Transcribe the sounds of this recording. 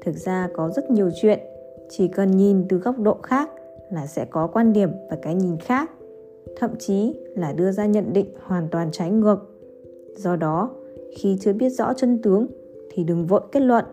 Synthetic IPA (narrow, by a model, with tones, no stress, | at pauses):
t̪ʰɨ˨˩t̚z̥aː˧kɔ˨˦zə˦˥t̚ɲi˨˩əwt͡ɕwḭ˧˨ən | t͡ɕi˨˩kə˨˩nɲi˨˩nt̪ɨ˨˩ɣa˦˥wk͡p̚ɗo̰˧˨xaː˦˥k̚ | laː˨˩sɛ̰˧˥kɔ˨˦kwaː˧nɗi˨˩əmvaː˨˩kaː˨˦jɲi˨˩nxaː˦˥k̚ | t̪ʰə̰˧˨mt͡ɕi˨˦laː˨˩ɗɨ˧əzaː˧ɲə̰˧˨nɗḭ˧˨ŋ̟hwaː˨˩nt̪waː˨˩nt͡ɕa˨˦jŋɨ˨˩ək̚ | zɔ˧ɗɔ˨˦xi˧t͡ɕɨ˧əɓi˦˥ət̚zɔ̰˧˥t͡ɕə˧nt̪ɨ˨˦əŋ | t̪ʰi˨˩ɗɨ˨˩əŋvo̰˧˨jke˦˥t̚lwə̰˧˨n